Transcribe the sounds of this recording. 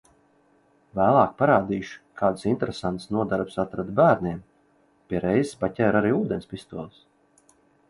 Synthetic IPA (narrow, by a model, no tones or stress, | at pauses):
væːlˠɑːk̚paɾaːd̪iːʃu̥kʰaːd̪sint̪eɾesant̪snuɔd̪aɾpsat̪ɾad̪bæːɾniɛm | pʲiɛɾɛjzspatʲɛjɾaɾiːuːd̪ʲenspist̪uɔlˠs